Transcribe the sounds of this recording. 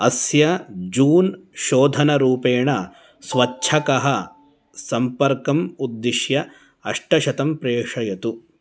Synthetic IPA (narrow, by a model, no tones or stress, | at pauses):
ɐsjɐd͡ʒuːnʃoːd̪ʱɐnɐɾuːpeːɳɐ | sʋɐtːʃʰɐkɐɦɐ | sɐmpɐɾkɐmud̪ːiʃjɐ | ɐʂʈɐʃɐt̪ɐmpɾeːʂɐjɐt̪u